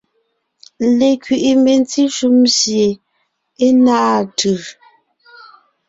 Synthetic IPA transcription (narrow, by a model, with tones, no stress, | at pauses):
le˨kɥi˨ʔi˨me˨n˦t͡si˦ʃu˦msje˨ | e˦naː˦˨tʰɯ˨